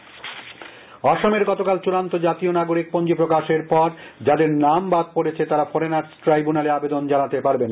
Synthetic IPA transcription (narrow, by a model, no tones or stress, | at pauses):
ɔʃomeɾɡɔt̪okalt͡ɕuɾant̪od͡ʑat̪ionaɡoɾik̚pond͡ʑopɾokaʃeɾpɔɾd͡ʑad̪eɾnambad̪̚poɾet͡ɕʰet̪aɾafoɾenaɾʈɾajbunaleabed̪ond͡ʑanat̪epaɾben